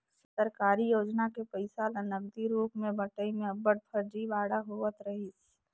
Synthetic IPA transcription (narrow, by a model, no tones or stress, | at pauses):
səɾkaːɾijoːd͡ʒnakepəɪsalənəbd̪iɾuːpmẽbəʈəimẽɐbəɽ̚pʰəɾd͡ʒiʋaːɽaɦoːʋət̪ɾɐɦit͡ʃʰ